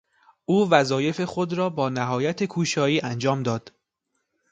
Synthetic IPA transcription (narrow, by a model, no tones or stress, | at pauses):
ʔuːvæzɒːje̞fe̞xo̞d̪ɾɒːbɒːnæɦɒːjæt̪ʰe̞kʰuːʃɒːiːʔænd͡ʒɒːmd̪ɒːd̪̥